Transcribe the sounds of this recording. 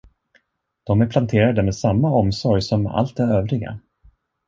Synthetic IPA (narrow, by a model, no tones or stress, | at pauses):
d̪̥ɔmæɾpʰlant̪ʰeːɾad̪əmesamːaɔmsɔɾjsɔma̰lt̪æɾøːvɾɪɡa̰